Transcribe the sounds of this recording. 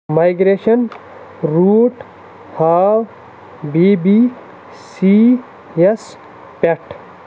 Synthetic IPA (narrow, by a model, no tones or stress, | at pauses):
majɡɾeʃən | ɾuːʈ | haw | bibi | si | es | peʈ